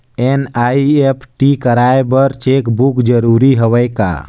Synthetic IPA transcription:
enaiepʰʈikəɾaebəɾt͡ʃekbukd͡ʒəɾuɾiɦəʋəjka̰

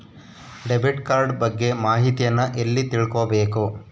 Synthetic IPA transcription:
ɖebʱiʈkaːɾɖbɐɡːe̞maːɦit̪ijɐnːɐʔelːit̪iɭkobe̞ːku

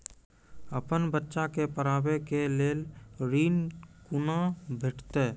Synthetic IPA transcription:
əpənbətːʃakepəɾaːbekeleːlɾiːnkunabʱɪʈʰt̪e

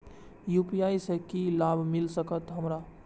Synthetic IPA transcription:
juːpijaːisɛkilaːbʱmɪlsəkət̪ɦɐmɾa

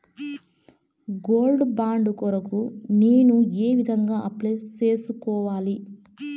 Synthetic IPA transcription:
ɡoːlɖbaːɳɖkɔɾɐkuneːnueːʋid̪ʱɐŋɡaːʔɐplet͡ʃeːsukɔːʋaːli

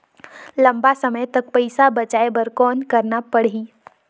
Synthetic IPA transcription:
lɐ̃mbasəməjt̪ɐk̚pəɪsabɐt͡ʃaːebəɾkɔːnkəɾnapəɽ̤ɦiː

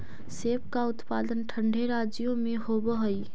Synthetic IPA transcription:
sepkaʊt̪pad̪ənʈʰəɳɖʱeɾad͡ʒjomehobəɦəj

